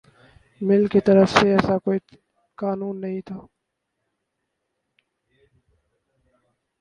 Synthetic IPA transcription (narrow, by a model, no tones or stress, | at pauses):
mɪlkit̪əɾəfseɛːsaːkoːiː | kaːnuːnːəɦĩːt̪ʰaː